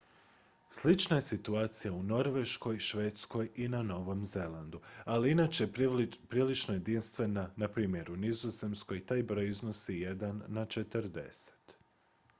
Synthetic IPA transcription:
slit͡ʃnaje̞sit̪uaːt̪sijauno̞ɾʋe̞ʃko̞jʃʋe̞ːt̪sko̞jinano̞ʋo̞mze̞land̪ualiinat͡ʃepɾiːlit͡ʃnoje̞d̪inst̪ʋe̞nanapɾiːmje̞ɾunizoze̞msko̞jt̪aːjbɾo̞jizno̞sijed̪anːat͡ʃe̞t̪əɾd̪e̞̰se̥t̪

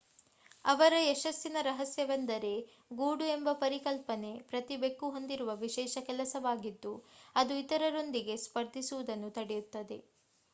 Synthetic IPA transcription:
ɐʋɐɾɐeʃɐsːinɐɾɐɦɐsjɐʋɐnd̪ɐɾe̞ | ɡuːɽue̞mbɐpɐɾikɐlpɐne̞pɾɐt̪ibe̞kːuɦond̪iɾuʋɐʋiʃɛːʃɐkɛlɐsɐʋaːɡid̪ːuɐd̪uit̪ɐɾɐɾo̞nd̪iɡe̞spɐɾd̪ʱisuʋud̪ɐnːut̪ɐɽejut̪ːɐd̪e̞

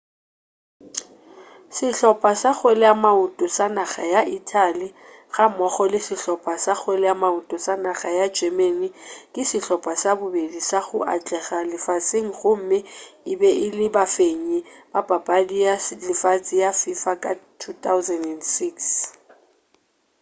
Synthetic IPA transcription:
sɪɬɔpʼasak͡xwelɛamautʼɔsanaχajaʔitʰʼali | ɣamɔχɔlɪsɪɬɔpʼasak͡xʰwelɛamautʼɔsanaɣajḁd͡ʒ̥ʱɛmenikʼɪsɪɬɔpʼasabʊbedisaɣʊʔa̰t͡ɬʼɛɣalɪfat͡sʼɪŋ̩ɣʊm̩mɪɪbɛʔɪlɪbafeɲɛb̥ab̥ʱapʼadijalɪfat͡sʼijafifakʼatʰutʰawzɛndɛndsiks

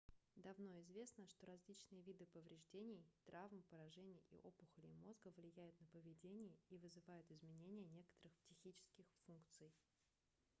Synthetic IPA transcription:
d̪ɐvno̞ɪzvʲe̞snəʂt̪o̞ɾɐzʲlʲit͡ɕnɨjəvʲid̪ɨpəvɾʲɪʐdʲenʲɪjt̪ɾʔavmpəɾɐʐɛnʲɪjḭʔo̞pʊxlʲɪmo̞zɡəvlʲɪjæjʊt̪nəpəvʲɪdʲenʲɪjəivɨzɨvajʊt̪ɪzmʲɪnʲenʲɪjənʲe̞kə̥t̪əɾɨxpsʲɪxʲit͡ɕɪ̥skʲɪxfunkt̪sɨj

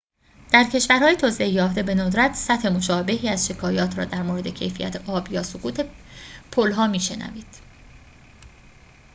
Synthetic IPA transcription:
d̪̥æɾcʰe̞ʃvæɾhɒːjet̪ʰoːseejɒːfd̪e̞be̞nod̪ɾæt̪ʰsæt̪he̞mo̞ʃɒːbe̞ɦiːæzʃe̞kʰɒːjɒːt̪ʰɾɒ̰ːd̪æɾmoːɾe̞d̪ecʰe̞̰jfijæ̰t̪ʰeʔɒːbjɒːsokuːt̪ʰe̞pʰolɦɒːmiːʃe̞næ̰viːd̪̥

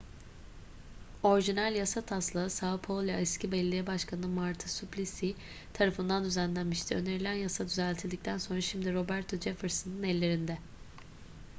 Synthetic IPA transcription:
o̞ɾʒinælʲjasat̪ʰaslˠaɯsapʰolˠjaɛscʰibɛlʲed̪ʲijɛbaʃkʰanɯmaɾt̪ʰɯsyplʲisi | t̪ʰaɾafɯnd̪and̪yzænlʲænmiʃt̪ʰiøne̞ɾilʲænjasad̪yzælʲt̪ʰilʲd̪ic̚t̪ʰænso̞nɾaʃimd̪iɾo̞bæɾt̪ʰo̞d͡ʒefɯɾsɯnɯnɛlʲːe̞ɾind̪ɛ

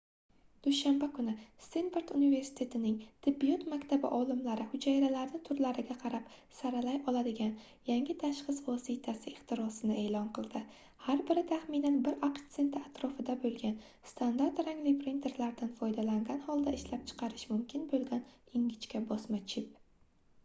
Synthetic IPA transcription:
d̪̥ʊʃambakʰʊnɪst̪enfeɾt̪unive̞ɾsɪ̥t̪ʰe̞t̪ʰɪnɪŋt̪ʰɪbijut̪makʲt̪ʰabɪ̰ʔɒlˠɪmlaɾɪhʊd͡ʒajɾalaɾnɪt̪ʰʊɾlaɾɪɡʲaqʰɑɾapsaɾalajɒlˠad̪ɪɡʲan | jaŋʲɪt̪ʰaʃχɨsvɒsit̪ʰasɪɪχt̪ʰɪɾɒsɪnɪe̞ːlɒnqɨlˠd̪ɪ | haɾbɪɾɪt̪ʰaχmɪnanbɪɾʔakt̪se̞nt̪ʰɪat̪ʰɾɒfɪd̪abolˠɡʲan | st̪ʰand̪aɾt̪ɾaŋlɪpʰɾint̪ʰe̞ɾlaɾd̪anfɒjd̪alaŋɡʲanhɒlˠd̪aɪʃlap̚t͡ʃʰɨ̥qʰɑɾɪʃmʊmkʲʰɪnbolˠɡʲanɪŋɡʲɪt͡ʃkʲabɒsmat͡ʃʰɪp̚

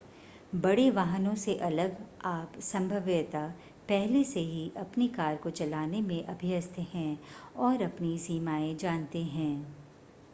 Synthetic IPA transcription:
bɐɽeʋaːɦənõseʔɐləɡaːpsɐ̃mbʱəʋjət̪a | pɛɦleseɦiʔɐpnikaːɾkot͡ʃɐlaːnemẽʔɐbʱɪəst̪ʰeɦɛ̃ɔːɾɐpnisiːmaːẽd͡ʒãːnt̪eɦɛ̃ː

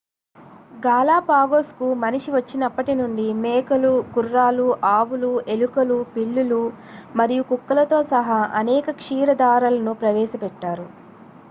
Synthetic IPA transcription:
ɡaːlaːpaːɡoːskumɐniʂiʋɐt͡ʃːinɐpːɐʈinuɳɖimɛːkɐlukurːaːluʔaːʋuluelukɐlupiɭːulu | mɐɾijukukːɐlɐt̪o̞ːsɐɦaːʔɐnɛːkɐkʂiːɾɐd̪aːɾɐlɐnupɾɐʋɛːʃɐpɛʈːaːɾu

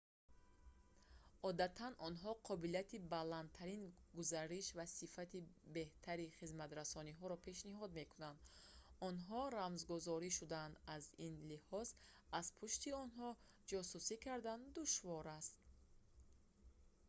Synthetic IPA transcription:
ɔd̪at̪ʰanɔnɦɔqʰɔbiliat̪ʰibalant̪ʰaɾinɡuzaɾiʃvasifat̪ibe̞ht̪ʰaɾiχizmat̪ɾasɔniɦɔɾɔpʰe̞ʃniɦɔd̪me̞kʰunand̪ɔnɦɔɾamzɡuzɔɾiʃud̪and̪azinlihɔz | azpʰuʃt̪iɔnɦɔ | d͡ʒɔsusikʰaɾd̪and̪uʃvɔɾast̪̚

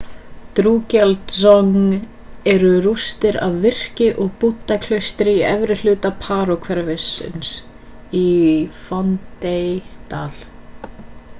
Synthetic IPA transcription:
t̪ɾuːcɛlt̪sɔŋ | ɛɾʏrust̪ɪɾa̰vːɪr̥cɪʔɔɣput̪ːakʰlœɥst̪ɾɪiɛvɾɪlʏːt̪apʰaːɾɔkʰvɛɾvɪsːɪ̰ns | ifɔnt̪ejt̪aːl

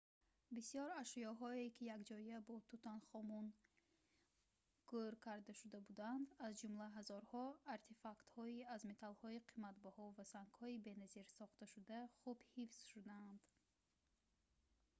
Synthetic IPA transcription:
bisijɔɾaʃijɔɦɔekʰijakd͡ʒɔiabɔt̪ut̪anχɔmun | ɡ̥uɾkʰaɾd̪aʃud̪abud̪and̪azd͡ʒumlaɦazɔɾhɔaɾt̪ʰefakt̪hɔiazme̞t̪ʰalhɔiqʰimat̪bahɔvasaŋkhɔibe̞naziɾsɔχt̪aʃud̪aχubhifz̥ʃud̪aːnd̪

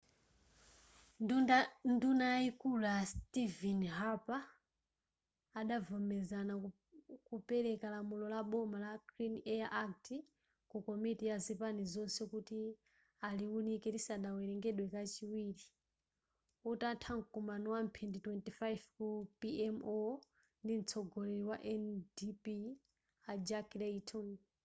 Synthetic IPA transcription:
ndunaikulastivɛnɦapa | ɗavɔmɛzana | kupɛɾɛkalamulɔlaɓɔmalaɡɾinɛaʔaktʰi | kukɔmitijazipanizɔnsɛkuti | aliwunikɛdisaɗawɛɾɛŋɡɛɗwɛkat͡ʃiwiːɾi | utantʰaŋkumanɔwampʰinditwɛntifajvkupiɛmɔ | ndin̩t͡sʰɔɡɔlɛɾiwaʔɛndipi | ad͡ʒaklɛitʰɔŋ

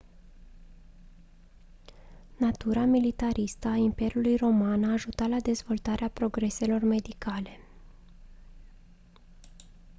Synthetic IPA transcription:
nat̪uɾamilit̪aɾʔist̪əaimpe̞ɾjulujro̞manaːʒut̪alad̪e̞zvo̞lt̪aɾʔeapɾo̞ɡɾe̞se̞lo̞rme̞d̪ikale̞

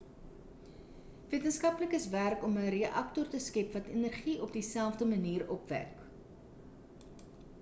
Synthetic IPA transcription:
viətənskɐpləkəsværkɔməɾeəʔɐk̚tɔrtəskɛpvɐtenərχiʔɔp̚disælˠfdəməniːrɔpvæ̰k

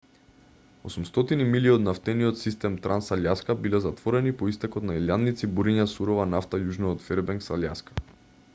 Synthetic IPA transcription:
osumst̪ɔt̪inimiliod̪naft̪ɛniot̪sist̪ɛmt̪ɾʔansaljaskabilɛzat̪vɔɾɛnipoist̪ɛkɔt̪nailjanːit̪sibuɾiɲasuɾovanaft̪ajuʒnɔɔt̪fɛɾbɛŋksalʲja̰skḁ

